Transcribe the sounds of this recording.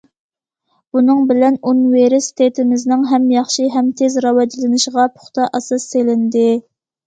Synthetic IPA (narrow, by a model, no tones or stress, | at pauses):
b̥unɨŋbɪlɛnonweɾɪst̪ʰet̪ʰɪmɪznɪŋɦɛmjɑχʃiɦɛmt̪ʰezɾɑwɑd͡ʒlɪnɨʃəʁɑpʰʊ̥χt̪ʰɑʔɑsɑsːelɪnd̪ɪ